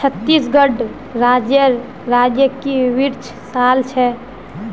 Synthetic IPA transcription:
t͡ʃʰət̪ːisɡəɖ | ɾaːd͡ʒjəɾ | ɾad͡ʒjəkiʋiɾt͡ʃʰsaːlt͡ʃʰɛ

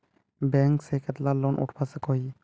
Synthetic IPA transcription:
bɛŋksekʰɛt̪lalɔnʔṵʈʰpʰasɛkɔɦi

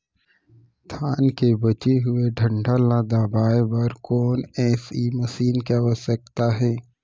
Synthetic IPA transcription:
t̪ʰaːnkebɐt͡ʃeɦʊeɖʱə̃ɳɖʱalaːd̪aːbaːebɐɾkɔːnɛːsiːməʃiːnkeʋəsək̚t̪aɦɛː

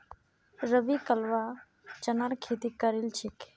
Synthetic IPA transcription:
ɾəʋikəlʋa | t͡ʃənaɾkʰeːt̪ikəɾilt͡ʃʰik

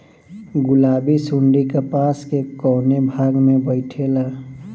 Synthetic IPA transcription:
ɡʊlaːbisʊɳɖikəpaːskekɔːnebʱaːɡmẽbəɪʈʰela

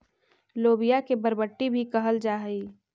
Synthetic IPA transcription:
loːbijakebəɾbəʈːibʱikɐɦəld͡ʒaːɦəiː

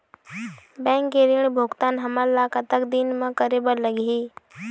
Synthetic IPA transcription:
bɛ̃ːŋkːeɾiɽ̃bʱoɡt̪aːnɦəməɾlakət̪əkd̪inmə̃kəɾebəɾləɡɦiː

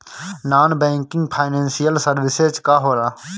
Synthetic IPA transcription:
naːnbɛ̃ːŋkɪ̃ŋɡpʰaːɪnẽːnsijəlsəɾbɪsed͡ʒkaɦoːɾaː

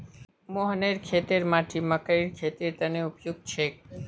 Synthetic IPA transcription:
moɦəneɾkʰet̪eɾmaʈʰiməkəiɾkʰet̪iɾt̪əneupjuɡ̚t͡ʃʰe

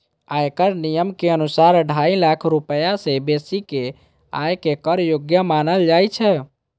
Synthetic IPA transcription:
aekəɾnijəmkeənusaɾɖʱailakʰɾupəjasebesike | a̰jkekəɾjoɡjəmanəld͡ʒajt͡ʃʰɛ

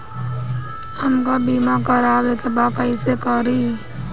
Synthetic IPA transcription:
həmkabiːmakəɾaːʋekebaːpəɪsekəɾi

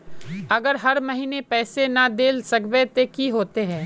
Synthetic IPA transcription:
ɐɡəɾɦɐɾmɐɦiːnepɛːsenɐd̪eːlsɐkʋet̪ekiɦoːt̪eɦɛ̃ː

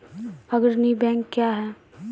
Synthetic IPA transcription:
ɐɡəɾnibɛ̃ːŋkːjaɦɛː

